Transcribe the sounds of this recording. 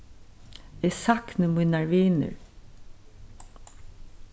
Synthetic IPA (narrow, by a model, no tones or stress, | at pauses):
ɛsaknəmʊnaɹʋiːnə̰ɹ